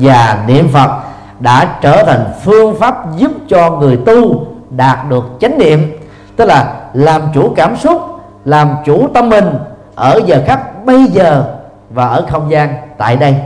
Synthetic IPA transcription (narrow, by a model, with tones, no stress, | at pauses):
vaː˨˩nḭ˧˨əmfə˨˩t̚ | ɗa̰ː˧˥t͡ɕəː˧˩t̪ʰa˨˩jŋ̟fɨ˧əŋfaː˦˥p̚zu˦˥p̚t͡ɕɔ˧ŋɨ˨˩əjt̪u˧ɗaː˨˩t̚ɗɨ˨˩ək̚t͡ɕa˨˦ŋ̟nḭ˧˨əm | t̪ɨ˦˥k̚laː˨˩laː˨˩mt͡ɕu˧˩˦kaː˧˩msʊ˦˥t̚ | laː˨˩mt͡ɕu˧˩t̪ə˧mːï˨˩ŋ̟ | ʔəː˧˩zəː˨˩xa˦˥k̚ɓə˧jzəː˨˩ | vaː˨˩ʔəː˧˩xə˧wŋ͡mzaː˧nt̪a̰ː˧˨jɗə˧j